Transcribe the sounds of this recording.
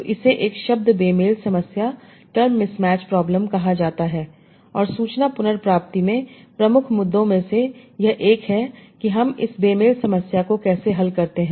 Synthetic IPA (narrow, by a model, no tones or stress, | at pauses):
oʔɪseʔeːkʃɐb̚d̪ʱbeːmeːlsɐməsja | ʈəɾmːɪsmɛːt͡ʃpɾɔːbləmkɐɦad͡ʒaːt̪aɦɛː | ɔːɾsuːt͡ʃnapʊnəɾpɾaːp̚t̪imẽpɾɐmʊkʰmʊd̪ːõmẽsejɐɦʔeːkɦɛkiɦɐmɪ̰sbeːmeːlsɐməsjakokɛːseɦɐlkɐɾt̪eɦɛ̃ː